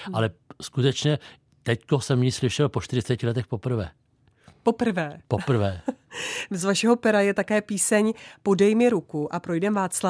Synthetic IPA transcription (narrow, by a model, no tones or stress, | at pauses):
ʔalɛskut̪ɛt͡ʃɲɛ | t̪ɛckosɛmjislɪʃɛlpoʃt̪ɪɾɪt͡sɛcɪlɛt̪ɛxpo̞pr̩vɛː | popr̩vɛːpopr̩vɛː | zvaʃɛɦo̞pɛɾajɛt̪akɛːpiːsɛɲpo̞dɛjmɪɾukuʔapɾo̞jdɛmvaːt͡sla